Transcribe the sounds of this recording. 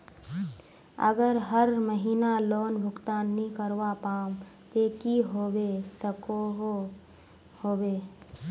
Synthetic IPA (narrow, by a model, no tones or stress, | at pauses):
ə̰ɡəɾɦəɾməɦiːnaloːnbʱʊɡt̪aːnːikəɾʋapaːmt̪eːkiɦoːwesəkoɦ | hoːweː